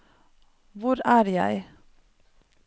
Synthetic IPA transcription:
ʋʊɾæːɾjæ̰ɪ

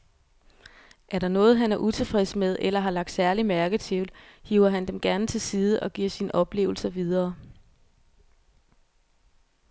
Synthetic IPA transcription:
ʔæɐɾ̥ɑ̈nɔ̽ːð̞̩ˠɦænæɐʔut͡sʰe̝fʁɛsmeð̞ˠʔelɐɦɑ̈lɑ̈ɡ̥̚d̥sæɐlimæɐɡ̥ət͡sʰe̝ʊlhiʊɐɦænd̥emɡ̥æɐnət͡sʰe̝lsiːð̞ˠəʔɒ̽ɡ̥iɐ̰sinəʔɒ̽b̥le̝̰ːʊl̩sɐʋið̞ˠɐː

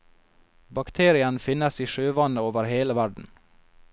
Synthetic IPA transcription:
bɑkt̪ʰeːɾɪənfɪnəsiːʃøːʋɑnəoːʋəɾheːləʋæɖɳ̩

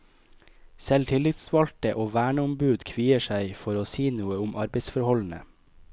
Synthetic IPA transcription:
sɛlt̪ʰɪlɪt̪sʋɑlt̪əʔoːʋæːɳəʊmbʉːd̪kʰʋiːəʃæɪfɔɾoːsiːnuːəʊmʔɑɾbəɪsfɔɾhɔln̩ə̰

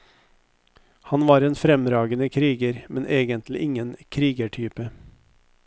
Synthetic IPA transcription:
hɑnʋɑːɾeːnfɾɛmɾɑːɡənəkʰɾiːɡəɾmɛnʔeːɡənt̪ʰlɪʔɪŋənkʰɾiːɡəʈʰyːpə

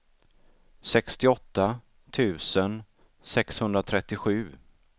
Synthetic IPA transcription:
sɛkst̪ɪɔt̪ːa | t̪ʰʉ̟ːsən | sɛkshɵnd̪ɾat̪ʰɾɛt̪ːɪɧʉ̟ː

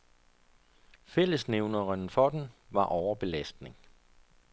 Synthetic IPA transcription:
fel̰əsneʊnɐɐnfɒ̽d̥enʋɑ̈ʔɒʊɐb̥e̝læsd̥ne̝ŋ

